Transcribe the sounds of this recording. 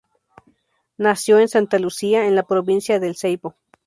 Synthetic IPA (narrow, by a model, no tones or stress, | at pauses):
nasjoensant̪alusiaenlapɾoβinsjaðelsejpo